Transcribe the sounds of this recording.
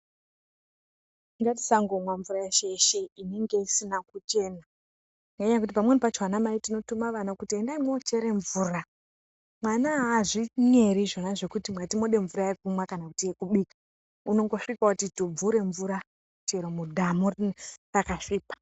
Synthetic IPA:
ŋɡati̥saŋɡo̞mwaɱvurajeʃeʃeine̞ŋɡe̞isinakut͡ʃe̞na | ŋɡaɲaakutipamwenipat͡ʃwanamaitino̞tumaʋanakutie̞ndaimwoːt͡ʃe̞ɾe̞ɱvuːra | mwanaːʐiɲe̞ɾiʐo̞naʐe̞kutimwatimo̞ɗe̞ɱvuɾaek̚umwakanakutiekuɓiːkḁ | uno̞ŋɡo̞ʂikakutitob͡vuɾe̞ɱvuɾa | ut͡ʃeɾomudʱamurrakaʃiːpḁ

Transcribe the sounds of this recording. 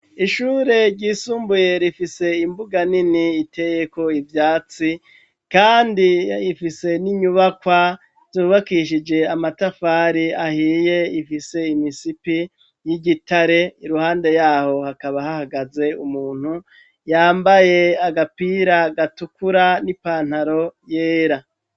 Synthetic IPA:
iʃuːɾe̞ɾɟiːsuːmbuje̞ɾifise̞imbuɡaniniːtʰe̞je̞ko̞ivjaːt͡si | kaːndiːfise̞niɲuβakwa | z̥uːβakiʃid͡ʒe̞amatafaːɾiahiːje̞ifise̞imisipi | jiɟitaɾe̞iɾuhaːnde̞jaːho̞hakaβahahaɡaze̞umuːn̥hu | jaːmbaje̞aɡapiɾaɡatukuɾanipaːn̥haɾo̞jeːɾa

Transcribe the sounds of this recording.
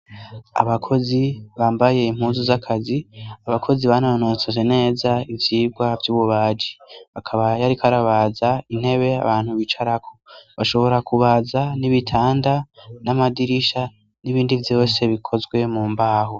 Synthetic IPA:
a̰βakʰo̞ziβaːmbaje̞im̥huːnzuzakʰaziaβakʰo̞ziβananot͡sozene̞ːzaivjiːɡwavjuːβuβaːd͡ʒiakʰaβajaɾikʰaɾaβazain̥he̞βe̞a̰βaːn̥huβit͡ʃaɾakʰo̥βaʃo̞βo̞ɾakuβazaniβitʰaːndanamadiɾiʃa | niβiːndivjo̞ːse̞βikʰo̞zɡwe̞muːmbaːɦo

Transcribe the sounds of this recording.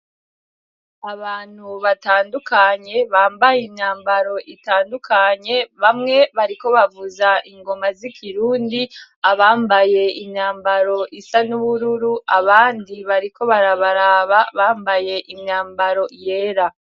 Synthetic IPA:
aβaːn̥huβataːndukʰaɲe̞βaːmbajimɲaːmbaɾo̞ʔitaːndukʰaɲe̞βamŋe̞βaɾiko̞βavuzaʔiŋɡo̞mazikʰiɾuːndiaβaːmbaje̞imɲaːmbaɾo̞ʔisanuβuɾuɾuaβaːndiβaɾiko̞βaɾaβaɾaːβaβaːmbaje̞ʔimɲaːmbaɾo̞je̞ːɾa

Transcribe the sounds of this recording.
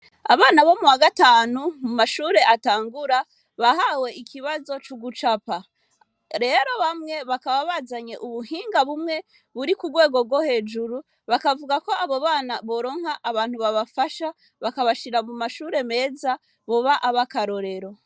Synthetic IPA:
a̰βaːnaβo̞muwaɡataːnumumaʃuːɾe̞ʔataːŋɡuɾa | βahawe̞ikʰiβazo̞t͡ʃuɡut͡ʃapa | ɾe̞ːɾo̞βamŋe̞βakaβaβazaɲe̞̰ʔuβuhiːŋɡaβumŋe̞ | βuɾikubɡwe̞ːɡo̞ɡwohe̞ːd͡ʒuɾu | βakavuɡako̞aβo̞βaːnaβo̞ɾo̞ːŋ̥haʔːβaːn̥huβaβafaʃa | βakaβaʃiɾamumaʃuːɾe̞me̞ːza | βo̞βaʔaβakaɾo̞ɾe̞ɾo̞

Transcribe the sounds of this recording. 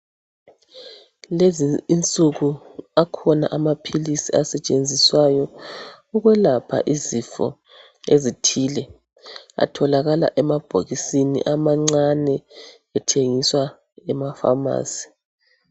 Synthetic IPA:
leziːnt͡sʼuɣuakʰɔna̰ʔamapʰilisiasɛt͡ʃʼend͡zʱiswajɔ | uɣwɛlapʰa̰ʔizifɔ̰ | ezitʰiːlɛ | a̰tʰɔlaɣala̰ʔɛmab̥ʱoɣisinḭʔamaŋ͡ǀanɛ | ɛtʰeŋiswa | ɛmafa̰ma̰ːsi̥

